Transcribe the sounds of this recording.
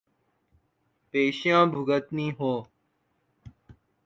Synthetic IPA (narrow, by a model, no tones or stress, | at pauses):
peːɕjãːbʱuɡət̪nĩːɦoː